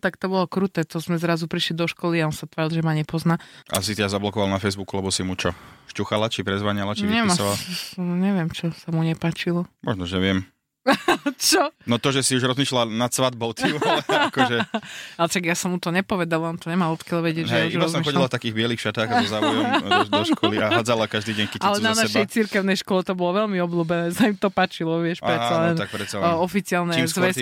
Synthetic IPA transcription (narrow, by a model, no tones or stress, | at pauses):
t̪akt̪ɔbɔlɔkɾut̪ɛt̪ɔzmɛzɾazupɾiʃlid̪ɔʃkɔliaɔnsat̪ʋaːɾilˠʒɛmaɲɛpɔznaːʔa̰s̬it̪ɛd̪azablɔkɔʋalnafɛjzbukulɛbɔsimut͡ʃɔʃcuxalat͡ʃipɾɛzʋaɲalat͡ʃiɲɛmasɔalɲɛʋɪɛmt͡ʃɔsamuɲɛpaːt͡ʃilɔmɔʒnɔʒɛʋɪɛm | t͡ʃɔnɔt̪ɔʒɛsiuʒɾɔzmiːʃlanat̪sʋad̪̚bɔʊt̪uakɔʒɛaɛʃaɡjasɔmut̪ɔɲɛpɔʋɛd̪alaɔnt̪ɔɲɛmaːmɔt̪kalʋɛɟɪɛd͡ʒɦɛuʒiɾbaɔszmɔmixɔɟilaft̪akiːɣbɪɛlixʃat̪aːɣabɔzaujdɔʃkʰɔliaad͡zalakaʒd̪iːɟɛɲkɛ̥alɛnanaʃɛjt͡siɾkɛʊnɛjʃkɔlɛt̪ɔbɔlɔʋɛʎmiɔbluːbɛnɛːsaimit̪ɔpaːt͡ʃilɔʋɪɛʃɾɛt͡salɛnt̪ak̚pɾɛt͡salɔfit͡sɪalnɛizʋɛs